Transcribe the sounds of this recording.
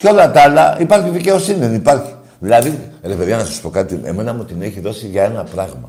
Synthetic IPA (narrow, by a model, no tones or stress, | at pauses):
co̞lɐt̪ɐlɐipɐɾçiðice̞o̞siniðenipɐɾçi̥ | ðilɐðiɾefeðiɐnɐsɐ̥su̥po̞kɐt̪ie̞̰me̞nɐmut̪ine̞çiðo̞siʝɐe̞nɐpɾɐɣmɐ̰